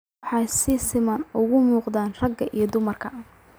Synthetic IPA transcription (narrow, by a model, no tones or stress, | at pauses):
ħɑjsɪsɪmɐnʊɣʊmuːqd̪aːnrɐɡɐʔijɞd̪ʊmɐrkʰɐ